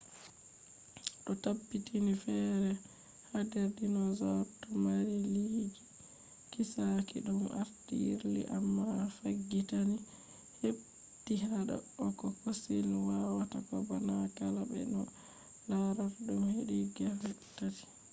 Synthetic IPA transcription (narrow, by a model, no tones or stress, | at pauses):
ɗɔtabːitʰinifɛːɾɛ | hadeɾdinɔzɔtɔmaɾiliːd͡ʒi | kisakḭɗuma̰ɾtḭḭɾlḭʔamːafaɡːitani | heb | tiaɗa̰ɔkɔkosilwawatakɔbanakalabɛ̰nɔ | laɾatɗumheɗiɡafɛtːati̥